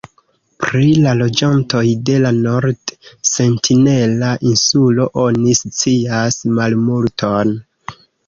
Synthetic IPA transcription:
pɾilalo̞d͡ʒanto̞jde̞lano̞ɾdse̞ntʰine̞laʔinsulo̞ʔo̞nist͡siasmalmultʰo̞n

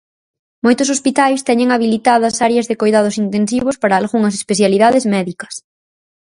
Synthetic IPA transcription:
mojt̪ʊsospit̪ajst̪ɛɲẽŋaβilit̪aðɐsaɾjɐzðekojðað̞ʊsint̪ensiβ̞ʊspaɾaːlɣuŋɐs̬e̥speθjaliðaðɪzmɛðikɐ̥s

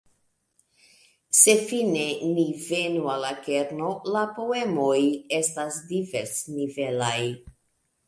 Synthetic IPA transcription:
se̞fine̞nivenualake̞ɾno̞lapo̞e̞mojestasdiveɾsnive̞laj

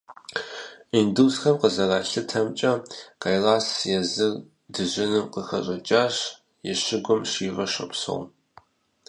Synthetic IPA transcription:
induːsxɐmqəzɐraːɬɨtʰɐmt͡ʃʼɐqajlaːsjɛzɨr | dɨʑɪnɨmqəxɐɕʼɐt͡ʃʼaːɕ | jɛɕɪɡʷʊmɕiːvɐɕʷɐ̰pso̰ʁm

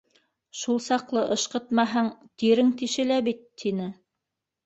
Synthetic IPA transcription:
ʃulˠsɑqlˠɤʔɤ̆ʃqɤ̆t̪mɑɦɑɴt̪iɾɘŋt̪iʃɘ̆læβit̪ʰːinɘ

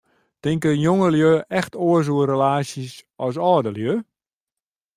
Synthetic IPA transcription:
tɪŋkəjoŋəljøːʔɛxtʰoəs̬uəɾəlaːsəsɔs̬ɔːdəljøː

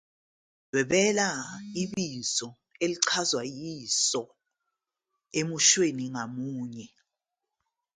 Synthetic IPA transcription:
wɛɓɛlaiɓizɔ | eliǀʰazwajisɔ | emuʃweniŋamuːɲɛ

